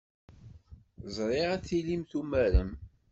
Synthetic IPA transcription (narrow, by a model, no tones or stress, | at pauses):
zˤɾˤɪʁæθilimθumæɾəm